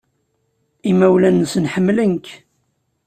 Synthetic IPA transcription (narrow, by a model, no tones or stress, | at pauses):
imæwlænːəsnħəmːlənk